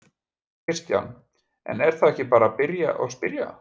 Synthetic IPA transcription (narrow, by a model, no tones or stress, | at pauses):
ɪrst̪ja̰wn | ɛ̰nɛɾ̥θaðɛhcɪpaːɾapɪɾja̰ʔɔɣspɪɾja̰